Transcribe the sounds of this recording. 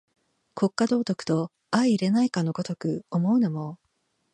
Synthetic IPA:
kʰo̞kːad̪o̞ːt̪o̞kɯ̟̥t̪o̞ | aiiːɾe̞naikano̞ɡot̪o̞kɯ̟omo̞ɯ̟nomo

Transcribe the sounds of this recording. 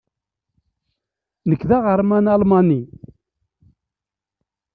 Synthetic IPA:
nəkðaʁəɾˤmænɑlmɑni

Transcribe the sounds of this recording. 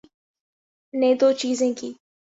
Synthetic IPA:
nẽːd̪oːt͡ʃiːzẽːkiː

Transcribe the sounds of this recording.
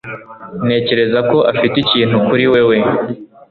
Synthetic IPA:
ne̞ːce̞ɾe̞zako̞ʔafiticiːnhukuɾiwe̞we̞

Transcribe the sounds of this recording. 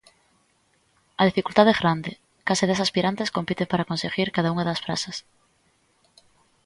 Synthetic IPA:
aðifikult̪aðɛzɣɾand̪e | kaseðesaspiɾant̪eskompit̪empaɾaːkonseɣiɾkaðauŋaðasfɾa̰sas

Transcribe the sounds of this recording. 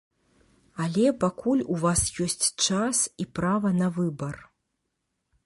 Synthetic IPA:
ɐlʲɛpakulʲuvasjɔsʲt͡sʲt͡ʂasipɾavɐnɐvɨbɐr

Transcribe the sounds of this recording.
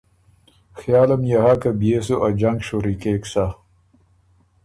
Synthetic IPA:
xjaːlɐmjaɦakabjeːs̬uʔad͡ʑɐŋɡɕoɾikeːksa

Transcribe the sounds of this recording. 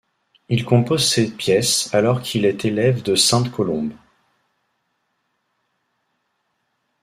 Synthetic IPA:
ilkɔ̃pozsɛpjɛsalɔʁkʰilɛt̪elɛvd̪əsɛ̃t̪kʰɔlɔ̃b

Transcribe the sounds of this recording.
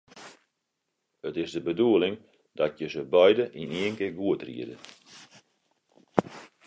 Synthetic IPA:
ətɪsdəbəduəlˠɪŋ | dat̚jəsəbœjdəʔiniəŋkəɡuətrḭədə̰

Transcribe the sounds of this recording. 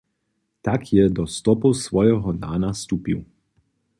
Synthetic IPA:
t̪akʰjɛd̪ɔst̪ɔpusvɔjɛɦɔd̪aːnast̪uːpiw

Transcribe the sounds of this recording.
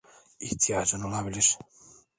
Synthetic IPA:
iht̪ʰijad͡ʒɯno̞lˠabilʲiɾ̥

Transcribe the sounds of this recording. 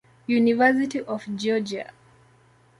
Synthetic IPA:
junivɛs̬itiʔɔfd͡ʒɔd͡ʒia̰

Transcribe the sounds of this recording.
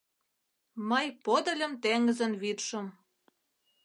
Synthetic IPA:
məjpod̪ə̆lʲə̆mt̪eŋəzənβit̪ʃə̆m

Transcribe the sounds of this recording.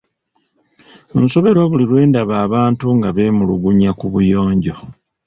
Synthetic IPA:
unso̞βe̞ɾo̞βulilwe̞ːndaβaːβaːntuŋɡaβe̞muluɡuɲakuβujo̞ːɲɟo̞

